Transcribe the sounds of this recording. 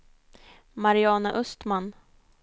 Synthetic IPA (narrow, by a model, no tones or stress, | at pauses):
maɾɪɑːnaʔɵst̪man